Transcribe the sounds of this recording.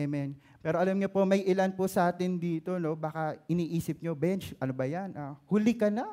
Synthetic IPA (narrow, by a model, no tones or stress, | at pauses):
mɛn | pɛːɾoʔɐlɐmɲopo̞mɐjʔɪlanposɐʔaːt̪ɪnd̪iːt̪o̞no̞baːkɐʔɪniːʔiːsɪp̚ɲobɛnt͡ʃʔɐnobɐjanʔahʊlɪkɐnɐ